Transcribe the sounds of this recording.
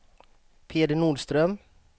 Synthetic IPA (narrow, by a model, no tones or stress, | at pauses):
pʰeːd̪əɳuːɖst̪ɾœm